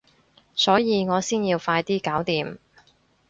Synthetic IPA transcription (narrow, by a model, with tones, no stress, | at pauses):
sɔː˨˥jiː˨˧ŋɔː˨˧siː˥nji˧wfaː˧jt̪iː˥kaː˨˥wt̪iː˨m